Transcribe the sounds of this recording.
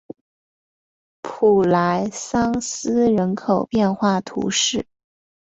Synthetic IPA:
pʰu˨˩la˧˥ɪsɑ˥ŋsɹ̩˥ɻə˧˥nkʰo˨˩ʊpjɛ˥˧nxwa˥˩t̪ʰṵ˧˥ʂɻ̩˥˩

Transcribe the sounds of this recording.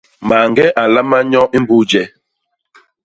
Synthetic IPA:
ma˨ŋɡɛ˦ʔa˨la˦ma˦ɲɔ̃˦ʔi˦m˦bu˦d͡ʒɛ˨

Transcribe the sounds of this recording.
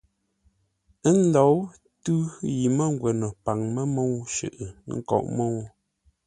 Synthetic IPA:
n̩˦lɔ˨˦w | tʉ˦ji˨mə˦˨ŋ˦ɡwɛ˨nɔ˨pa˨ŋmɛ˦mo˦˨wʃʉ̰˨ʔŋ̩˦˨kɔ̰˨ʔmo˦˨w

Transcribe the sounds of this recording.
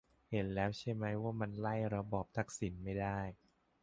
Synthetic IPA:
he˨˦nlɛː˦˥wt͡ɕʰa˥˩jma˦˥jwaː˥˩ma˧nla˥˩jɾa˧bɔː˨˩p̚t̪ʰa˦˥k̚si˩˦nma˥˩jdaː˥˩j

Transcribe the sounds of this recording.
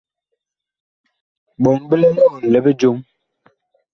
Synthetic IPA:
ɓɔ˨ŋbə˦lɛ˦lɔ˦˨lɛ˨bə˦d͡ʒo˦ŋ

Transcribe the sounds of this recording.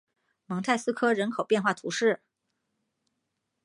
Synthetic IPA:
mɤ˧˥ŋt̪ʰa˥˩ɪsɹ̩˥kʰɤ˥ɻə˧˥nkʰo˨˩ʊpjɛ˥˧nxwa˥˩t̪ʰṵ˧˥ʂɻ̩˥˩

